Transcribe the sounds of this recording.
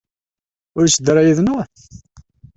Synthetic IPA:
ʊɾsd̪ɾˤajəðnʊθ

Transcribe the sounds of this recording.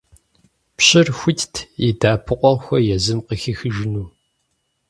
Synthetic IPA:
pɕʼɪrxʷʊtʰtʰidaːpʰɨqʷʼɔʁxʷɔjɛzɨmqəxixɨʒɪnuː

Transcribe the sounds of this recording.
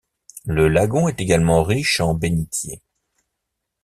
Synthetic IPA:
ləlaɡɔ̃ɛt̪eɡalmɑ̃ʁiʃɑ̃benit̪jḛ

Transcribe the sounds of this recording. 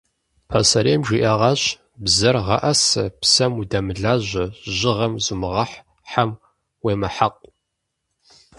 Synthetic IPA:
pʰɐsɐɾeːmʒiʔɐʁɑɕ | bzɐrʁɐ̰ʔɐsɨpsɐmudɐmɨɮaːʑʷɐʒɪʁɐmzumɨʁɐħ | ħam | weːmɐħaq̚ʷʼ

